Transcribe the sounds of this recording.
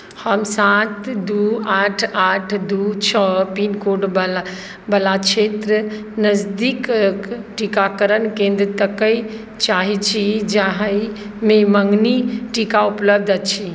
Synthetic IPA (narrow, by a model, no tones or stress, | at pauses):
həmsat̪d̪uaʈʰaʈʰd̪ut͡ʃʰəpinkoɖb | bəlat͡ʃʰet̪ɾə | nəzd̪ikkʈikakəɾənkẽnd̪ɾət̪əkəi | t͡ʃaɦit͡ʃʰid͡ʒaɦəi | meməŋɡniʈikaupləb̚d̪ʱət̪t͡ʃʰi